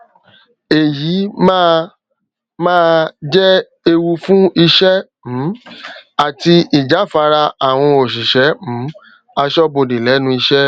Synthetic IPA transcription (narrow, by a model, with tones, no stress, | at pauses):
e˨jiː˨˦mã˦ | mãː˦˧d͡ʒɛ˦ | e˧wu˧fũ˦i˧ʃɛ˦ | m̩̃˨˦a˨ti˧i˨d͡ʒa˨˦˨fa˧ɾa˧a˨w̃ɔ̃˧o˨ʃ̬i˨ʃɛ˨˦m̩̃˨˦ | a˧ʃɔ˦bo˧˨de˨lɛ˨˦nũ˧i˧ʃɛ˦